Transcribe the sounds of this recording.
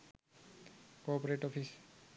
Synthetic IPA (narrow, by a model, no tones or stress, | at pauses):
kɔpɔɹeʈɔpʰis